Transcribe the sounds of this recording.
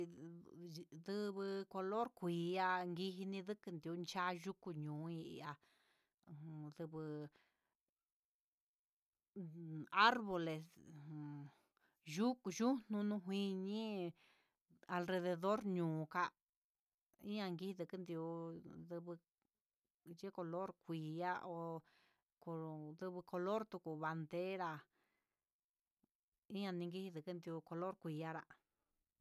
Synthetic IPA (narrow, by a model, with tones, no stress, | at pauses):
ðɨ˧βɨ˧ko˧lo˦ɾkʷiː˨˦a˧ŋɡi˧ɦi˧nĩ˧ðɨ˦kɨ˧nd̪i˧u˧˦nt͡ʃa˦ʒu˦ku˧ɲũː˨˦ḭ˧a˧˨˧ | ðɨ˧βɨ˧ | a˦ɾβo˨le˨s | ʒu˦ku˧ʒu˦n̥ũ˧nũ˧ɦwĩ˧ɲĩ˦ | a˧lre˧ðe˧ðo˦ɾɲũː˨˧ka˧ | ḭ˦ɲã˧ŋɡi˧˦i˧ðɨ˨˧kɨ˦nd̪u˧ðɨ˧βɨ˧ | ʒe˦ko˧lo˦ɾkʷi˨a˦ʔo˧ | ko˧ðɨ˧βɨ˧ko˧lo˦ɾt̪u˧ku˨βa˧nd̪e˦ɾa˧ | ĩ˦ɲã˧nĩ˧ŋɡi˦hi˧ðɨ˨kɨ˦nd̪i˧u˧ko˧lo˦ɾkʷi˧a˦ɾa˧